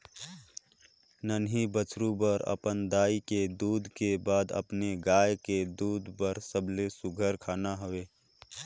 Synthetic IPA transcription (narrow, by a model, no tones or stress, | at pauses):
nənɦibət͡ʃɾubəɾə̰pənd̪aːiked̪uːd̪ʱkebaːd̪ə̰pneɡaːjked̪uːd̪ʱpəɾsəbʱlesʊɡʱəɾkʰaːnaɦəeː